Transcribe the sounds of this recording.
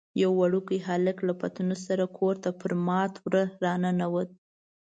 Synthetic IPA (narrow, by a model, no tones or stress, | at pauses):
jawːaɽukəjɦalɪklapat̪unosaɾakʰoɾt̪apəɾmɑt̪wɾəɾɑnanawəd̪̚